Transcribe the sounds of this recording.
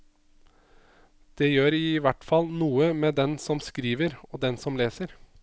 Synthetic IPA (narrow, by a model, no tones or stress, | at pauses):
d̪̥ejøːɾɪːʋæʈfɑlnuːəmeːd̪ɛnsɔmskɾiːʋəɾoːd̪ɛnsɔmleːsəɾ